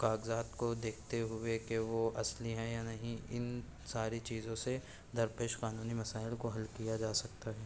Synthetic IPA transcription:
kaːɡzaːt̪kod̪eːkʰt̪eɦʊekeʋoʔɐsliɦɛ̃janɐɦĩɪ̰n | saːɾit͡ʃiːzõse | d̪ʱɐɾpeːʃqaːnuːnimɐsaːɪlkoɦɐlkijad͡ʒaːsɐk̚t̪aɦɛː

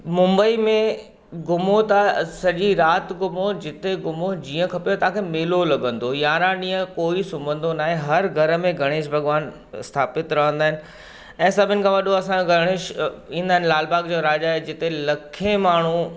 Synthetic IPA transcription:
mʊ̃mbəimẽ | ɡʊmot̪asɐʄiɾaːt̪ɡʊmod͡ʑɪt̪eɡʊmod͡ʑiːə̃kʰɐpjot̪ɐãkʰemɪːlolɐɡə̃nd̪ojaːɾãɗĩːə̃koːisʊmbə̃nd̪onaːɦẽɦɐɾɡʱɐɾə̆mẽɡʱɐɽ̃eːʃbʱɐɡʋaːn | ɪst̪ʰaːpɪt̪ɾɐɦə̃nd̪aːɪnɪ̆ | ɛ̃ːsɐbʱɪnɪ̆kʰãʋɐɗoɐsãoɡʱɐɽ̃eːʃĩːnd̪aːɦɪ̃nlaːlbaːɡd͡ʑoːɾaːd͡ʑaːɦed͡ʑɪt̪elɐkʰemaːɳ̤u

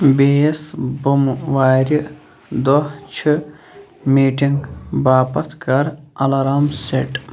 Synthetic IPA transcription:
biesbumʋaːɾʲi | d̪oht͡ʃʰɨ | miːʈiŋɡbaːpɐt̪ʰkɐɾɐlɐɾaːmseʈ

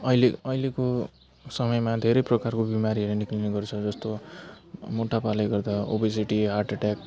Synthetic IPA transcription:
ʌjleʌjleko | sʌmʌjmad̪ʱeɾʌjprʌkarkobimaɾiʌɾenikliniɡʌrt͡sʰʌd͡zʌst̪o | moʈʰapalʌjɡʌrd̪ao̰bis̬iʈiɦarʈʌʈak

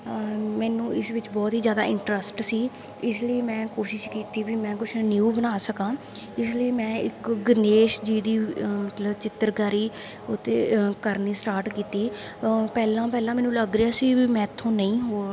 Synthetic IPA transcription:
mɛːnũːɪsʋɪt͡ʃbɔːt̪ɦiːzjaːd̪a̰ːɪ̃ɳʈɾəsʈsiː | ɪsliːmɛ̃ːkoːʃɪʃkiːt̪iːbimɛ̃ːkʊt͡ʃʰnjuːbənaːsəkãː | ɪsləiːmɛ̃ːɪkɡəneːʃd͡ʒiːd̪iːmət̪ləbt͡ʃɪt̪ːəɾɡaːɾiː | ʊt̪ḛːkəɾniːsʈaːɾʈkiːt̪iːpɛːlãːpɛːlãːmɛːnũːləɡɾɪaːsiːmɛ̃ːt̪ʰːõːnəĩːɦoː

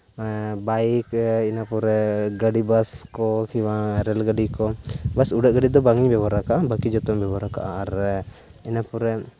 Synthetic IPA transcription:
bajkinapuɾɛɡəɖibaskɔkiwaɾɛlɡəɖikɔbasuɖəʔɡəɖid̪ɔbaŋiɲbɛbaɾakaʔabəkid͡ʒɔt̪ɔŋbɛbɔɾaka̰ʔaaɾ | inapuɾɛ

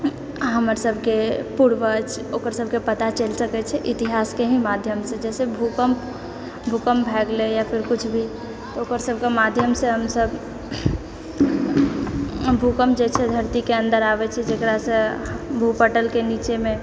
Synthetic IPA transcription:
ɦəməɾsəbʱkepuɽʋət͡ʃʰokəɾsəbʱkepət̪at͡ʃəlsəkɛt͡ʃʰɛʔit̪iɦaskeɦĩmad̪ʱjəmsẽd͡ʒɛsebʱukəm | bʱukəmbʱɛɡlejapʰiɾkut͡ʃʰbʱi | t̪ɔokəɾsəbʱkemad̪ʱjəmsẽɦəmsəb | bʱukəmd͡ʒet͡ʃʰɛd̪ʱəɾt̪ikeə̃nd̪əɾabɛt͡ʃʰɛd͡ʒekɾasə̃bʱupəʈəlkenit͡ʃeme

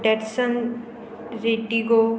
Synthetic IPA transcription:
ʈɛɾsən | ɾeʈiɡo

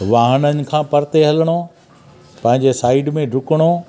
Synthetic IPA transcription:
ʋaːɦənənɪ̆kʰãːpɐɾt̪eɦɐləɽ̃o | pɐ̃ɦɪ̃ɲd͡ʑesaːiɖmẽɖʱʊkəɽ̃o

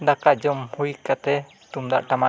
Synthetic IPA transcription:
d̪akad͡ʒɔmhujkat̪ɛ | t̪umd̪a̰ʔʈama̰ʔ

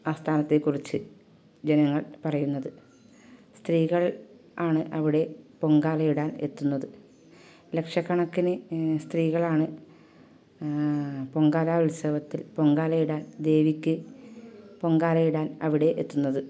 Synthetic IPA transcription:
aːst̪ʰaːnɐt̪ːe̞kːurit͡ɕːɨ | d͡ʑenɐŋːɐɭpɐrɐjunːɐðɨ | st̪riːɣɐɭ | aːɳɨʔɐʋiɽe̞po̞ŋɡaːlɐjiɽaːne̞t̪ːunːɐðɨ | le̞kʂɐkːɐɳɐkːinɨst̪riːɣɐɭaːɳɨ | po̞ŋɡaːɾaːʋilsɐːʋɐt̪ːilpo̞ŋɡaːlɐjiɽaːnd̪e̞ːʋikʲːɨ | po̞ŋɡaːlɐjiɽaːnɐʋiɽe̞ʔet̪ːunːɐðɨ

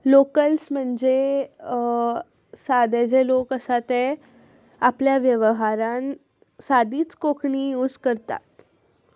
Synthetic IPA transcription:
lokəlsm̤əɳd͡ze | sad̪ed͡zelokəsat̪e | apljaʋjəʋəɦaɾan | sad̪iːt͡skokʰɳiut͡skəɾt̪a̰t̪̚

